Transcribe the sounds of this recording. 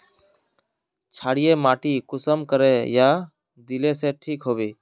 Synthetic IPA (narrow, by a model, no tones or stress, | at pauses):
t͡ʃʰaːɽijemaːʈikʊsəmkəɾeja | d̪ileseʈʰiːkɦoːbiː